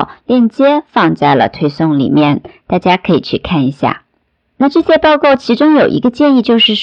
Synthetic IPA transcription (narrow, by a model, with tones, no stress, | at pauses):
ʊljɛ˥˩nt͡ɕjɛ˥fɑ˥˧ŋt͡sa˥˩ɪlə̰˩t̪ʰwe˥ɪsʊ˥˩ŋlḭ˨˩mjɛ˥˩nt̪a˥˩t͡ɕja˥kʰɤ˧˥ḭ˨˩t͡ɕʰy˥˧˩kʰa˥˩ni˧˥ɕja̰˥˩ | na˥˧ʈ͡ʂɤ˥˩ɕjɛ˥pɑ˥˧ʊkɑ˥˩ʊt͡ɕʰi˧˥ʈ͡ʂʊ˥ŋjo˨˩ʊʔḭ˧˥ɡə˧t͡ɕjɛ˥˧ni˥˧t͡ɕjo˥˧ʊʂɻ̩˥˩